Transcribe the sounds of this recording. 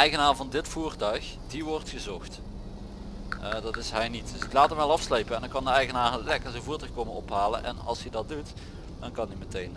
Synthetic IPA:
ɛjɣənaːrvɑndɪtfuːrtœɥx | diʋɔrtχəzɔxt | dɑtɪsɦɛjnit̚dɵsɪklaːtəmʋɛlˠɑfslejpənɛndɑnkɑndəɛjɣənaːrlɛkəɹzəvuːɹtœkowmənɔpɦaːlə̰nʔɛ̰nɑ̰lˠsidɑt̚dut | d̥ɑnkɑnimətejn

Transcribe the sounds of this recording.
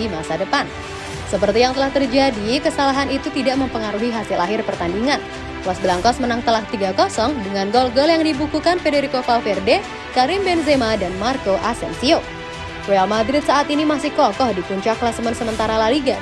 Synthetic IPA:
imasadəpan | səpərt̪ijaŋt̪əlaht̪ərd͡ʒadikəsalaɦanit̪ut̪idaʔməmpəŋaɾuɦiɦasɪlaɦɪrpərt̪andiŋan | wasbəlaŋkɔsmənaŋt̪əlaht̪iɡakɔsɔŋdəŋanɡɔlɡɔljaŋdibukukanfedeɾikofalfɛrde | kaɾɪmbɛnzemadanmarkoʔasɛnsio | wealmad̪ɾɪt̪̚saat̪inimasɪhkɔkɔhdikuɲt͡ʃaklasəmənsəmənt̪aɾalaliɡa

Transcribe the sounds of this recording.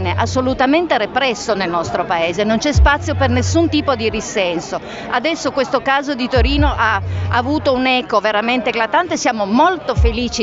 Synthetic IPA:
neʔasːolut̪ament̪eɾepɾɛsːonelnɔst̪ɾopaeːzenont͡ʃɛspat̪sːjopernesːunt̪iːpod̪irisɛnso | a̰d̪ɛsːokwest̪okaːzod̪it̪oɾiːnoʔaavuːt̪ounɛːkoveɾament̪eɡlat̪ant̪esjaːmomolt̪ofeliːt͡ʃi

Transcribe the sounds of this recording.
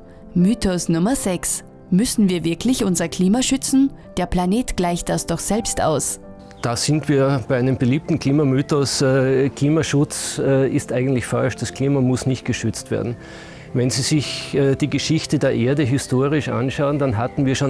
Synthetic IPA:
myːtʰɔsnʊmɐzɛks | mʏsn̩viːɐvɪɐkʰlɪçʔʊnzɐkʰl̥iːmaʃʏt͡sn̩d̥eːɐpl̥aneːtɡ̥laɪçtd̥asd̥ɔχz̥ɛlpstʔa̰ʊs | d̥asz̥ɪntv̥iːɐbaɪaɪnəmbəliːp̚tn̩kl̥iːmamyːtɔsɛkʰliːmaʃʊt͡sɛɪstʔaɪɡəŋ̩tlɪçfalʃd̥askʰl̥iːmamʊsnɪçt̚ɡ̥əʃʏt͡stv̥ḛɐdn̩ | vɛnziːzɪçɛd̥iːɡəʃɪçtədeːɐʔeːɐdəɦɪstoːʁɪʃʔã̰nʃaʊəndanɦatn̩viːɐʃo

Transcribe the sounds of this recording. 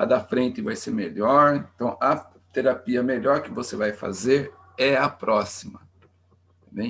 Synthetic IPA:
a̰d̪ɐfɾẽnt̪ɪvajseɾmeʎɔɾẽnt̪ɐ̃w̃ɐ | t̪eɾapiɐmeʎɔɾkɪvosevajfa̰zeɾ | ɛɐpɾɔsimɐ | bẽj̃

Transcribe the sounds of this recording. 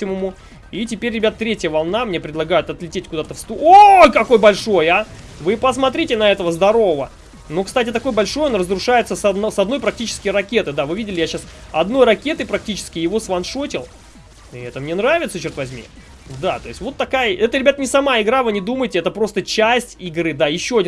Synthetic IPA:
ɪmʊmʊ | itʲɪpʲeɾʲːɪbʲat̪ət̪ɾʲetʲjəvɐlˠnamnʲepɾʲɪd̪lˠɐɡajʊt̪ɐt̪lʲɪtʲetʲkʊd̪at̪əfst̪uokɐko̞jbɐlʲʂo̞ja | vɨpəsmɐt̪ɾʲitʲɪnɐɛt̪əvəzd̪ɐɾo̞və | no̞kst̪atʲɪt̪ɐko̞jbɐlʲʂo̞jo̞nrəzɾʊʂajɪt̪səsɐd̪nsɐd̪no̞jpɾɐk̚tʲit͡ɕɪ̥skʲɪjrɐkʲe̞t̪ɨd̪avɨvʲidʲɪlʲɪjaɕasɐ̰d̪no̞jrɐkʲe̞t̪ɨpɾɐk̚tʲit͡ɕɪ̥skʲɪjɪvosvɐnʂo̞tʲɪlˠ | iɛt̪əmnʲenɾavʲɪt̪sət͡ɕɪrt̪vɐzʲmʲḛ | d̪at̪o̞ɪsʲtʲvo̞t̪ːɐkajəʔɛt̪əɾʲɪbʲat̪ənʲɪsɐmaɪɡɾavɨnʲɪd̪uməjɪtʲɪɛt̪əpɾo̞st̪ət͡ɕæsʲtʲɪɡɾɨd̪ajɪɕːoɐ

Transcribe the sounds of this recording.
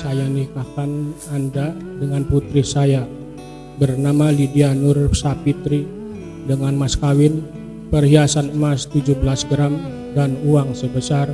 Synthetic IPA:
sajanikakanandadəŋanput̪ɾɪsaja | bərnamalidianʊrsapit̪ɾi | dəŋanmaskawɪn | pərhiasanəmast̪ud͡ʒubəlasɡəɾam | danuaŋsəbəsar

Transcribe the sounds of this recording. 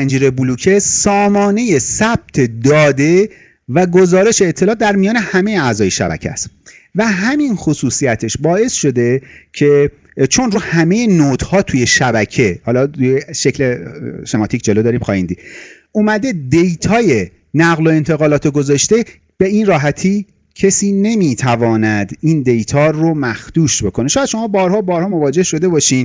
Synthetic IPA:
ænd͡ʒiːɾebuluːkʰessɒːmɒːne̞je̞sæb̥̚t̪ʰe̞d̪ɒːd̪e̞ | væɡo̞zɒːɾe̞ʃeːt̪ʰːe̞lɒːt̪̚d̪æɾmijɒːnehæme̞jeæzɒːje̞ʃæ̰bæ̰cʰæ̰st̪ | væɦæminxosuːsijæt̪ʰeʃbɒːe̞sʃo̞d̪e̞cʰe̞ | t͡ʃʰo̞nruhæme̞je̞noːt̪ʰhɒːt̪ʰuje̞ʃæbæcʰe̞hɒːlɒt̪ujeʃecʰlesemɒt̪ikʰd͡ʒe̞lod̪ɒːɾiːmxɒːhind̪id̪ʔomæd̪e̞d̪ejt̪ʰɒːje̞ | næɣlo̞e̞nt̪ʰe̞ɣɒːlɒːt̪ʰeɡo̞zɒʃt̪e̞ | b̥e̞inrɒːɦæt̪ʰiː | cʰe̞siːne̞miːt̪ʰævɒːnæd̪iːnd̪e̞jt̪ʰɒːromæxd̪uːʃbe̞kʰo̞ne̞ʃɔjæd̪ʃo̞mɒːbɒːɾhɒːbɒːɾhɒːmo̞vɒːd͡ʒe̞hʃo̞d̪e̞bɒːʃiːn

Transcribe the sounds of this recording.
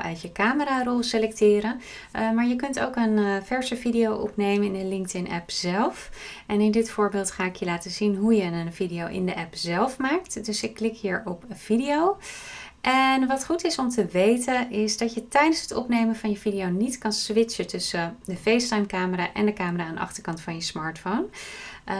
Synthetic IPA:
ʔœ̰ɥtjəkaːməɾaːrɔlˠselɛk̚tɪːɾən | maːɹjəkɵnto̰wkənfɛɹsəvidijowʔɔ̰pnejmənɪndəlɪŋk̚tɪnʔɛ̰pz̥ɛlˠf | ʔɛnɪndɪtfʊːɹbɪːlˠtχaːɪkjəlaːtəzinɦujənnvidijowʔɪ̰ndəʔɛpzɛlˠfmaːk̚tdøsɪkːlɪkɦiːɹɔpv̥idijow | ʔɛnʋɑtχutɪsɔmtəʋejtəɪsdɑcjətɛjdənsɦətɔ̰pnejmənvɑnjəvidijownitkɑnsʋɪt͡ʃətɵsədəfejstɑjmkaːməraːʔɛndəkaːməraːndəʔɑ̰χtəɹkɑntfɑnjəsmɑːɹtfown

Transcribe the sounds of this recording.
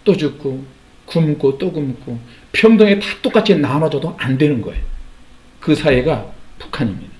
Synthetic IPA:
t͈od͡ʑuk͈o | kumk͈ot͈oɡumk͈o | pʰjʌmdoŋetat͈ok͈at͡ɕʰinamad͡ʑʌdoʔandwe̞nɯnɡʌḛjo | kɯsʰaeɡapu̥kʰaɲimɲidḁ

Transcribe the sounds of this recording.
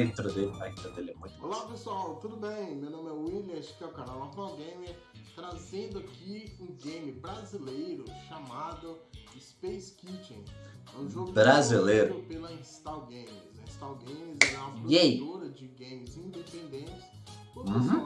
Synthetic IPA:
ẽt̪ɾʊd̪elɪnɛẽt̪ɾɐd̪elɛmũj̃t̪ʊbolapesuawt̪ud̪ʊbẽj̃mewnõmɪɛwilẽʃkɪɛwkanawɐ̃fãwɡẽmɪ | t̪ɾazẽnd̪ʊakʰiũɡẽjmɪbɾazilejɾʊʃamad̪ʊɪspejskit͡ʃḭ̃ɛũʒoɡʊbɾazilejɾʊpelɐĩst̪awɡẽj̃mɪz̃st̪awɡẽjmɪzẽabɾujaioɾɐd͡ʒɪɡẽj̃mɪzĩd̪epẽnd̪ẽnt͡ʃɪ̥spõ

